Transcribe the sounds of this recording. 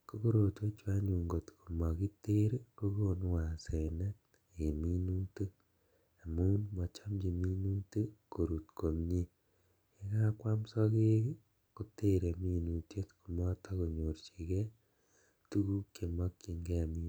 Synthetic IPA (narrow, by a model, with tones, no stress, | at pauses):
ko˦ko˦ɾo˨twe˦t͡ʃwa˦ɲu˨ŋɡo˨tku˨mɔ˨ki˦te˦ɾko˦ko˦nwa˨se˨nɛ˦ | e˨mi˦nu˦te˦ | a˨mu˦nmɔ˨t͡ʃa˦md͡ʒi˨mi˦nu˦te˦ko˨ɾu˨tko˨mɲi˦ | e˦ka˦kwa˦msɔ˦ke˦ | ko˨te˦ɾe˨mi˦nu˨tje˦tku˨mɔ˦tʰɔ˦ko˨ɲo˨ɾt͡ʃi˨kɛ˦ | tu˦ku˦ke˨mɔ˦kːi˨ŋɡɛ˦a˨mi˦